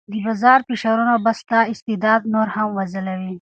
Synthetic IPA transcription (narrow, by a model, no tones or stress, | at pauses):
d̪əbazɑːɾpɪʃaɾunobast̪ɑɪst̪id̪ɑːd̪noɾhamwazəlawi